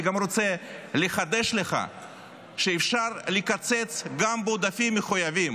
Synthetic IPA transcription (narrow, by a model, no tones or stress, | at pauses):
ɡamɾot͡seleχad̪eʃleχa̰ | ʃeːfʃaɾlikat͡set͡sɡambeod̪afimːeχujavim